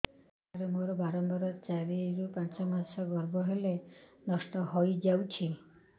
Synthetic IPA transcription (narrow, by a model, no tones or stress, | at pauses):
aɾemoɾɔbaɾɔmbɔɾɔt͡ʃaɾiɾupãnt͡ʃɔmasɔɡɔɾbɔɦelenɔsʈɔɦojd͡ʒawt͡ʃʰi